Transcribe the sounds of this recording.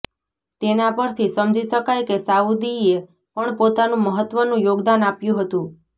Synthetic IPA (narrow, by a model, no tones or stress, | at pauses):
t̪enapəɾt̪ʰisəmd͡ʒiʃəkajkesaud̪ie | pəɳpot̪anũməɦət̪ːʋənũjoɡd̪anapjũɦət̪ũ